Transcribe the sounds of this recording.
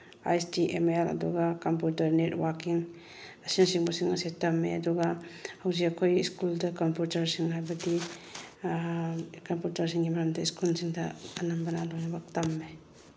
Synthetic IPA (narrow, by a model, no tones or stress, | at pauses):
a̰jstiʔemelɐ̰duɡɐkɐmputɐɾnetwakiŋ | ɐsinsiŋbɐsiŋɐsetːɐmːḛɐ̰duɡɐhɐwziɐkʰojiskuldɐkɐmpjutɐɾsiŋɦajbɐdi | kɐmpjutɐɾsiŋɡimɐɾɐmdɐiskulsiŋdɐɐnɐmbɐnalojnɐbɐk̚tɐmːe